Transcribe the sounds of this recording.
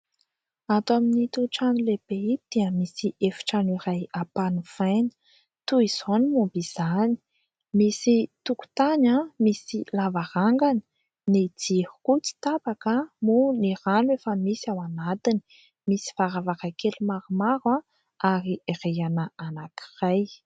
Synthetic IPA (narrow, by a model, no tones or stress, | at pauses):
at̪aminit̪uʈ͡ʂanileb̥eid̪̥iəmisiʔefi̥ʈ͡ʂaniɾajapanufajnə̥ | t̪uiz̥onimubiz̥ani̥ | misit̪uku̥t̪aɲamisilavaɾaŋɡani̥ | nid͡zihu̥kut͡si̥t̪abakəmuniranuefəmisiawanat̪ini̥ | misi̥vaɾavaɾajkelumaɾumaɾwa | aɾireanəanaki̥raj